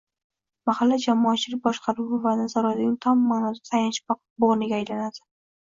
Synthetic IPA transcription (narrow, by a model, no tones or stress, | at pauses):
mahalːad͡ʒamɒːt͡ʃʰɪlɪk̚bɒʃqʰɑɾuɪvanazaɾɒlanʲɪŋt̪ʰɒmːaːnɒd̪asʰajanʃ | boʁnɪɡʲaːjlanad̪ɪ